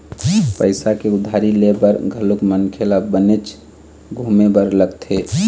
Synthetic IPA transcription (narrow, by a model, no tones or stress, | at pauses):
pəɪsakeʊd̪ʱaɾilebəɾɡʱəlukmənkʰelabənet͡ʃ | ɡʱumebəɾləɡt̪ʰe